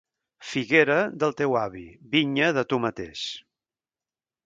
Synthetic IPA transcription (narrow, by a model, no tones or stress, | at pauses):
fiɣeɾəd̪əlˠt̪ewaβiβiɲəðət̪umət̪ḛʃ